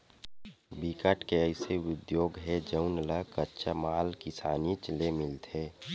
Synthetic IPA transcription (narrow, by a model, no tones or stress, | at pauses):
bikəʈkeəɪseʊd̪joːɡɦɛd͡ʒəʊnləkətːt͡ʃʰamaːlkɪsaːnit͡ʃlemɪlt̪eː